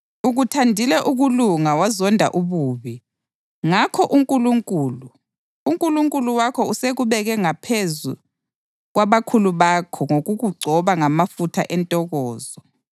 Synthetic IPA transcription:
uɣutʰandʱilɛʔuɣuluŋawazɔndʱa̰ʔuβuːβi | ŋakʰɔʔuŋkʼuluŋkʼuːluː | ŋkʼuluŋkʼuluwakʰɔuseɣuβɛɣɛŋapʰezu | ɣwaβakʰuluβakʰɔŋoɣuɣuɡ͡ǀʱɔβaŋamafutʰa̰ʔɛntʼɔɣɔːzɔ

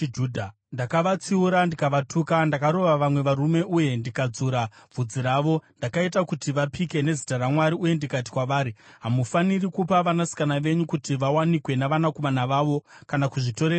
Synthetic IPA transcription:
d͡ʒuːdʱa | ndakaʋat͡siuɾandikaʋatukandakaɾo̞ʋaʋamwe̞ʋaɾume̞ʔuje̞ndikad͡zuːɾab͡vud͡ziɾaʋo̞ndakaitakutiʋapike̞ne̞zitaɾamwaɾiuje̞ndikati̥kwaʋaːɾiɦamufanirikupaʋanasi̥kanaʋe̞ɲukutiʋawanikwe̞naʋanakomanaʋaːʋo̞kanakuʐito̞ɾer

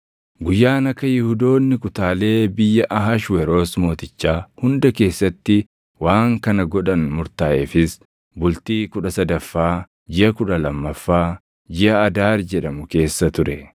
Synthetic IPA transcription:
ɡʊjːaːnɐkːɐjɪhud̪o̞ːnːɪkʊt̪aːle̞ːbɪjːɐʔɐɦaʃwɛɾo̞ːsmo̞ːt̪ɪt͡ʃːaːhʊnd̪ɐke̞ːsːɐt̪ːɪ | waːŋkɐnɐɡɔᶑɐnmʊɾt̪aːʔefɪs | bʊlt̪iːkʊᶑɐsɐd̪ɐfːaː | d͡ʒɪʔɐkʊᶑɐlɐmːɐfːaː | d͡ʒɪʔɐːd̪aːɾd͡ʒɛᶑɐmʊke̞ːsːɐt̪ʊɾɛ

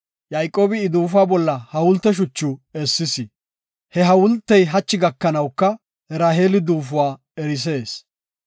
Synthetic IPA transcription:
jajkʼːo̞ːbɪːd̪uːfʊaːbɔlːɐhɐwʊlt̪ːɛʃ̬ʊt͡ʃːʊɛsːɪsɪ | hɛɦɐwʊlt̪ːɛjɦɐt͡ʃːɪɡɐkːɐnɐwkːɐ | ɛɾaːɦeːlɪd̪uːfʊwaː | ɛɾɪs̬e̞ːs

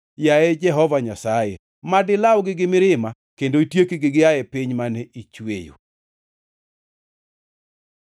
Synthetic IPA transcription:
jaɛd͡ʒɛɦɔvaɲasaje | madɪlawɡɪɡɪmɪɾɪma | kendoitjekiɡɪɡɪaɛpɪɲmanɛʔit͡ʃwḛjo̰

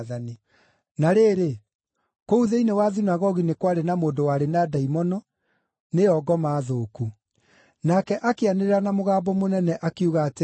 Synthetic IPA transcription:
ðani | naɾeːɾe | kouðeinewaðinaɣɔɣinekwaɾenamoːndowaɾenadaimɔnɔ | neɔɡɔmaːðoːku | nakɛʔakeaneɾeɾanamoɣaːbɔmonɛnɛʔakiuɣate

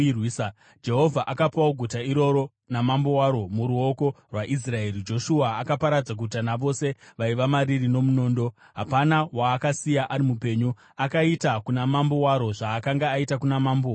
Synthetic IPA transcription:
wis | d͡ʒe̞ɦo̞vʱaʔakapawoɡʱutaiɾo̞ɾo̞ | namambo̞waɾo̞muɾuo̞ko̞ | rwaʔis̬rae̞ɾid͡ʒo̞ʃuaːkapaɾad͡zaɡʱutanaʋo̞se̞ʋaiʋamaɾirino̞muno̞ːndo̞ | ɦapanawaːkasijaʔaɾimupe̞ːɲu | akaitakunamambo̞waɾo̞ʐaːkaŋɡaːitakunamaːmbo

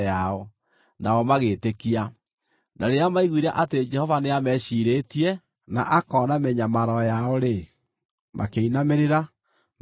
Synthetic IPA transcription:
aɔ | naɔmaɣeːtekia | nʔaɾeamaiɣwiɾaʔated͡ʒɛhɔvaneamɛʃiɾetiɛ | na̰ʔakɔnamɛɲamaɾɔjaɔɾe | mʔa̰keinameɾeɾa | m

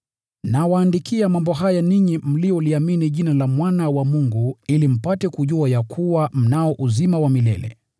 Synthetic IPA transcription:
nawaːndikiamambɔɦajaniɲim̩lijɔliaminiʄinalamwanawamuŋɡuilim̩patɛkuʄuajakʰuwam̩naɔʔuzimawamilɛ̰lɛ̰

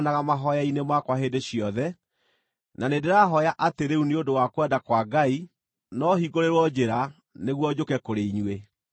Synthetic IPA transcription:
naɣamaɦɔjainemakwaɦedeɕjɔðɛ | nanedeɾaɦɔjaʔateɾeuneodowakwɛdakwaɡai | nɔhiɡoɾeɾwɔd͡ʑeɾa | neɣwɔd͡ʑokɛkoɾeiɲwe

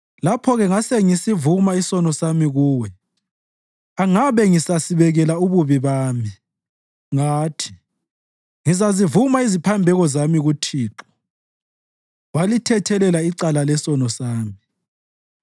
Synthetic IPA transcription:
lapʰɔɣɛŋasɛŋisivumaisɔnɔsamiɣuːwɛ | aŋaβɛŋisasiβɛɣɛlauβuβiβaːmi | ŋaːtʰi̥ | ŋizazivumaizipʰambʱɛɣɔzamiɣutʰiːǁɔ̥ | walitʰɛtʰɛlɛlaiǀalalɛsɔnɔsaːmi

